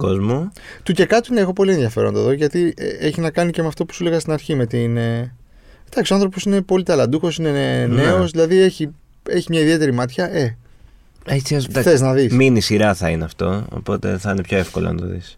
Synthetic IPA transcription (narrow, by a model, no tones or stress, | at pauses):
ko̞zmu | t̪uce̞kɐt̪une̞exo̞po̞lie̞nðjɐfe̞ɾo̞̰nd̪ɐðo̞ʝɐt̪ḭeçinɐkɐnice̞meɐft̪o̞pu̥sule̞ɣɐst̪inɐɾçime̞t̪iːne | d̪ɐksioɐnθɾopo̞sine̞po̞lit̪ɐlɐd̪uxo̞sine̞ne̞o̞sðilɐðie̞çi | e̞çimɲɐiðiet̪e̞ɾimɐt̪çɐʔe̞ | et͡siɐsɐθeznɐðisminisiɾɐθɐineɐft̪o̞o̰po̞t̪e̞̰θɐinepço̞e̞fkolo̰nɐ̰t̪o̞̰ðḭs